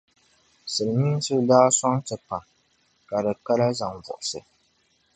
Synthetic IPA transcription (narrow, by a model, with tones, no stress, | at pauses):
sɨ˨lmi˦n˦sɨ˦daː˦sɔ˦ŋtɨ˨pa˨ | ka˨dɨ˨ka˦la˦za˨ŋvɔ̰˨ʔʊ˨sɨ˨